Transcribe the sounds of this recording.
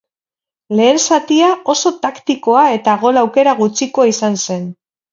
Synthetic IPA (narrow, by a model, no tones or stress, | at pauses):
le̞ːnsat̪iao̞so̞t̪akt̪iko̞ae̞t̪aɣ̞o̞lawke̞ɾaɣ̞ut͡ʃiko̞aisanse̞n